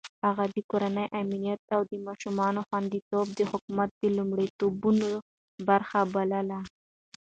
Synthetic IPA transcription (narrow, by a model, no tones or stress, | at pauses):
haɣad̪əkoɾanəjʔaminijat̪̚awd̪əmɑʃumɑnoxwand̪it̪ob̚d̪əhʊkumat̪̚d̪əlumɽit̪obuno | baɾxabaləla